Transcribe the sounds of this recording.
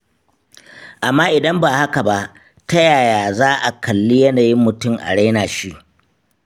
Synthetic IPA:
ʔa˨mːaː˦ʔɪ˨dɐ˦mba˨ha˦ka˨ba˦ʔ | ta˦jaː˨jaː˨zaː˦ʔa˨kʰɐ˨lːi˦jɐ˦naː˨ji˦mːʊ˨tʊ˦˨ŋʔa̰˨ɽa˦naː˨ʃi˦ʔ

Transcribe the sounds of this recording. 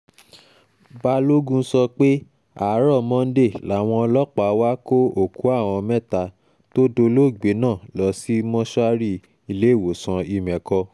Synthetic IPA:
ba˧˦lo˦ɡũ˦sɔ˧k͡pe˦ | a˨˦ɾɔ˦˨mɔ̃˧˦n̩˦de˦˨la˨˦˨w̃ɔ̃˧lɔ˦k͡pa˨wa˦ko˦o˦˨ku˨˦a˦˨w̃ɔ̃˧mɛ̃˦˨ta˧ | to˦do˧lo˦˨ɡ͡be˨˦nãː˦˨lɔ˨˦si˦mɔ̃˦ʃɔ˦a˦ɾi˦ | i˧le˨˦˨wo˨sã˧i˧mɛ̃˨kɔ˧

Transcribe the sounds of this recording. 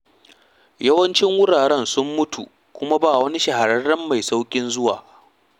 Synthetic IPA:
jɐ˦wɐ˦nt͡ʃɪ˦ŋwʊ˦ɽaː˨ɾɛ˦nsʊ˦mːʊ˦tu˨ | kʷʊ˦ma˦baː˦˨wɐ˦ni˦ʃɐ˨ha˨ɾɐ˦rɐ˦mːa˨jsa˦wkʲʼɪ˦nzʊ˦wa̰ː˨

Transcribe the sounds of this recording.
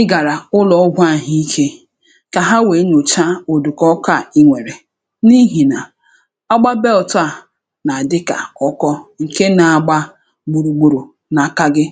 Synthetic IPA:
ɪ˦ɡa˨ɾa˨ʊ˦lɔ˨ɔ˦ɡʷa˦˨ɦi˦i˦kʰe˦ | ka˨ɦa˦we˨˦ɲo˨t͡ʃa˦o˨du˨kɔ˦ka˦˨i˦ŋʷe˨ɾe˨ | ni˦ɦi˨na˨ | a˦ɡ͡ba˦be˦ɔ˨ta˦˨ | na˨a˨dɪ˦ka̰˨ɔ˦kɔ˦ŋ̩˨ke˦na˨a˨ɡ͡ba˦ | ɡ͡bu˨ɾu˨ɡ͡bu˨ɾu˨ | na˨ka˦ɡɪ˦

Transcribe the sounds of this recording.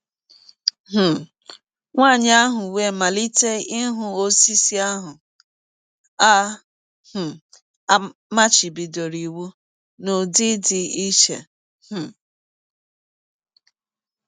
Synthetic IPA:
ɦ̩˨ | ŋʷaː˦˨ɲ˦a˦ɦʊ˨we˦˨ma˨li˦te˦ɪ˦ɦʊ˦o˦si˦si˦a˦ɦʊ˨ | a˦ | h̩˨˦ | ma˦t͡ʃi˨bi˨do˨ɾi˨wu˦ | no˨di˦dɪ˨i˦ʃḛ˨ | h̩˨

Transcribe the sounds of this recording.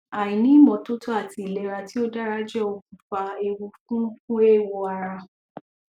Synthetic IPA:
a˨jĩ˨nĩ˦mɔ̃˨˧to˦to˦a˦˨ti˨le˨ɾa˧ti˦o˦da˦ɾa˦d͡ʒɛ˦o˧ku˨fa˧e˧wu˧kũ˦kũ˦e˦˨wo˧˦a˧ɾa˧

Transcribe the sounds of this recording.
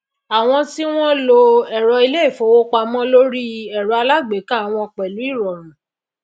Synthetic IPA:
a˨w̃ɔ̃˧ti˦w̃ɔ̃˦lo˧ɛ˦˨ɾɔ˧i˧le˦˨fo˨˦wo˦k͡pa˧mɔ̃˦lo˦ɾi˦ɛ˨ɾɔ˧a˧la˦ɡ͡be˨˦ka˦˨w̃ɔ̃˧k͡pɛ˨lu˨˦i˦˨ɾɔ˨ɾ̃ã˨

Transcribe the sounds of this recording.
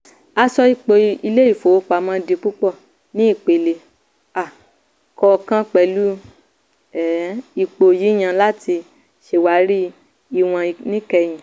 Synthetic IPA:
a˧sɔ˧i˧k͡po˧i˧le˦i˦˨fo˨˦k͡pa˨mã˧di˧k͡pu˦k͡pɔ˦˨ | nĩ˦i˦˨k͡pe˨le˨ | a˨ | kɔ˧kã˦k͡pɛ˧lu˦ | ɛ˨i˧k͡po˨ji˨˦j̃ã˧la˦ti˧ | ʃe˧wa˨˦ɾi˦ | i˧˨w̃ã˧nĩ˦kɛ˧j̃ĩ˨

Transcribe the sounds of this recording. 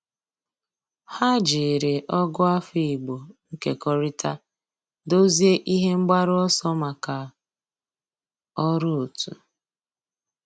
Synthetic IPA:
ha˦d͡ʒɪ˨ɾɪ˨ʔɔ˦ɡʊ˦a˦fi˦˨i˨ɡ͡bo˨ŋ̩˦ke˨kɔ˦ɾɪ˦tʰa˦ | do˦zi˦e˦ʔi˦ɦe˦ŋ͡m̩˦ɡ͡ba˦ɾʊ˦ɔ˦sɔ˦ma˨ka˨ | ɔ˦ɾʊ˦o˨tṵ˨

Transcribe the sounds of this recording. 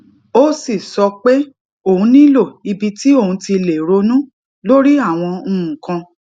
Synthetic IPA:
o˦si˦˨sɔ˧k͡pe˦ | o˨ũ˧˦nĩ˦lo˦˨i˧bi˧ti˦o˦˨hũ˧ti˧le˨ɾo˨˧nũ˦ | lo˦ɾi˦a˦˨w̃ɔ̃˧˦˨kã˧

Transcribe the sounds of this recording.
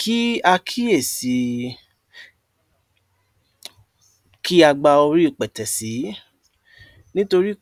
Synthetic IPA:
kʰi˦a˧kʰi˦e˦˨si˨ | kʰi˦a˧ɡ͡ba˧o˧ɾi˦o˦˨k͡pɛ˨tɛ˨si˨˦ | nĩ˦to˧ɾi˦

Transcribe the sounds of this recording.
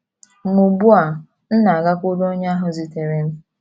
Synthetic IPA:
ŋu˨bu˦a˨ | n̩˦na˨a˨ɡa˦kʊ˦do˦ɲ˦a˦ɦʊ˨zi˨te˨ɾe˨n̩˦

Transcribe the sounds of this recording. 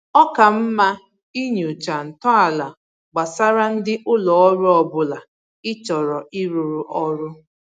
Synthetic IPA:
ɔ˦ka˨m̩˦ma˦ | i˦ɲ˨ʊ˨t͡ʃa˨n̩˨tɔ˦a˨la˨ | ɡ͡ba˨sa˦ɾa˦n̩˦dɪ˦ʔʊ˦lɔ˨ɔ˦ɾʊ˦ɔ˨bʊ˨la˨ | ɪ˦t͡ʃɔ˨ɾɔ˨ʔɪ˦ɾu˨ɾu˨ʔɔ˦ɾʊ˦

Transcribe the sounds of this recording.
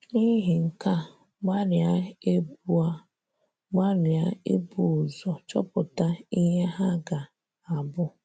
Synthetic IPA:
ni˦ɦi˨ŋ̩˨ka˦ | ɡ͡ba˦ɾɪ˨a˦e˦bu˦a˦ | ɡ͡ba˦ɾɪ˨a˦ḛ˦bu˦ʊ˨zɔ˨t͡ʃɔ̰˦pʊ˨ta˦i˦ɦe˦ɦa˦ɡa˨ | a˨bʊ˦

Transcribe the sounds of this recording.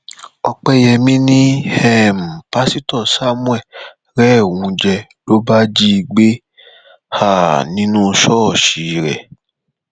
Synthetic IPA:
ɔ˧k͡pɛ˦jɛ˧mĩ˦nĩ˦hɛ˦˨m̩˨pa˦si˦tɔ˦˨sa˦mũ˦ɛ˦˨ | ɾɛ˦˨wũ˧d͡ʒɛ˧lo˦ba˦d͡ʒi˦˧ɡ͡be˦ | ha˦˨nĩ˦nũ˦˧ʃɔ˦˨ʃi˨˦ɾɛ̰˨

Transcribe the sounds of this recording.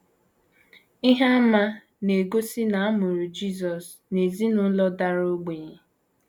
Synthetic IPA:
i˦ɦa˦ma˦ | ne˨ɡo˦si˦na˨a˦mʊ˨ɾu˨d͡ʒi˦˨zɔ˨s | ne˨zi˦nʊ˦lɔ˦da˦ɾo˦ɡ͡be˨ɲe˨

